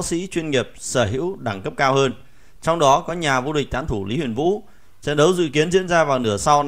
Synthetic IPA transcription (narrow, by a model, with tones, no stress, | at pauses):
sḭ˧˥t͡ɕwi˧ənŋi˨˩əp̚səː˧˩ɦḭ˧˥wɗa˧˩ŋkə˦˥p̚kaː˧whəː˧n | t͡ɕɔ˧wŋ͡mɗɔ˨˦kɔ˨˦ɲaː˨˩vu˧ɗi˨˩k̚t̪aː˧˥nt̪ʰu˧˩li˨˦hwi˨˩ənvṵ˧˥ | sɛ̰˧˥nɗə˨˦wzɨ̰˧˨ki˨˦ənzḭ˧˥ənzaː˧vaː˨˩wnɨ˧˩əsa˧w